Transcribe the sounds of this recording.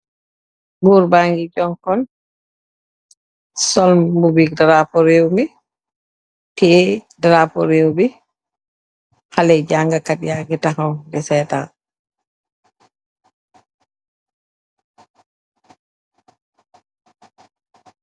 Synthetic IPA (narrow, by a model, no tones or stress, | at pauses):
ɡuːɾbaŋɡid͡ʒɔŋkɔn | sɔlmubik̚dɾapɔɾewmi | tɛdɾapɔɾewbi | halɛd͡ʒaŋɡakatjaɡɛtahawdɛsɛːta̰